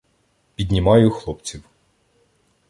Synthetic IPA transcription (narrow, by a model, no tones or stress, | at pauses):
pʲid̪ʲnʲimɑjʊxlˠɔp̚t͡sʲiw